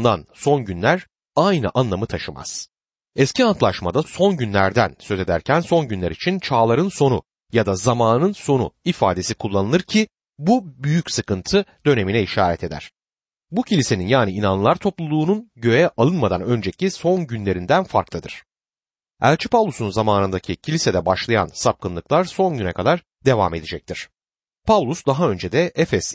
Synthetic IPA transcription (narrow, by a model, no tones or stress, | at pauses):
d̪anso̞nɟynlʲæɾ | ajnɯ̰ʔanlˠamɯt̪ʰaʃɯma̰z̥ | ɛsciant̪lˠaʃmad̪aso̞nɟynlʲæɾd̪ænsø̞ze̞d̪æ̰ɾcʰænso̞nɟynlʲæ̰ɾit͡ʃʰint͡ʃʰaːlˠaɾɯnso̞nṵ | jad̪azamaːnɯnso̞nṵifaːd̪e̞sikʰulˠːanɯlˠɯɾcʰi | bubyjycsɯkɯnt̪ʰɯd̪̥ø̞ne̞minɛiʃaːɾɛ̰t̪ʰe̞d̪æ̰ɾ̝̥ | bucʰilʲise̞ninjaːniinanlˠaɾt̪ʰo̞plˠulˠuːnunɟø̞jɛʔalˠɯnmad̪anø̞nd͡ʒɛcʰiso̞nɟynlʲe̞ɾind̪ænfa̰ɾklˠɯd̪ɯɾ̥ | æ̰lʲt͡ʃʰipʰavlˠusunzamaːnɯnd̪acʰicʰilʲised̪ɛbaʃlˠaja̰nsap̚kʰɯnlˠɯklˠaɾso̞nɟynɛkʰad̪aɾ | d̪e̞va̰me̞d̪ed͡ʒɛc̚t̪ʰiɾ̥ | pʰavlˠusd̪aɦaø̞nd͡ʒed̪ɛɛfɛs